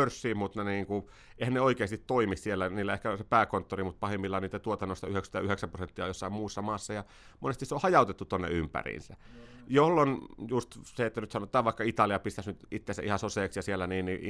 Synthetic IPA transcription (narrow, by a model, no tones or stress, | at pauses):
ørsːiːmmut̪neniːŋku | eihænneoikeːst̪it̪t̪oimissielːæniːlːæehkæsepæːkont̪ːorimut̪̚pɑhemːilːɑniːt̪æt̪uot̪ɑnːost̪ɑyhekst̪ɑyheksæmprosent̪ːiɑ̰josːɑimuːsːɑmɑːsːɑjɑ | monest̪iseohɑjɑˑut̪et̪ːut̪onːḛympæ̰rḭnsæ̰jolːonjust̪seet̪ːænyt̪sɑnot̪ːˑɑːʋʋɑˑikːɑit̪ɑliɑpist̪æsnyt̪it̪ːesæ̰ʔihɑsoseːksjɑsielːˑæniːnni